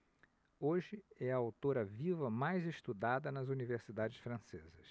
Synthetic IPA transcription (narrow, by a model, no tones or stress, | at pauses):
oʒɪɛɐawt̪oɾɐvivɐmajzeʃt̪ud̪ad̪ɐnɐzuniveɾsid̪ad͡ʒɪsfɾɐ̃sezɐs